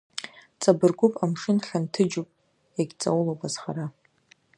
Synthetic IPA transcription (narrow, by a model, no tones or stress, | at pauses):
t͡sʼabɨrɡʷʊpʼamʂɨnɬʲantʰɨd͡ʒupʼ | jaɡʲt͡sʼawulobʼazχa̰ɾa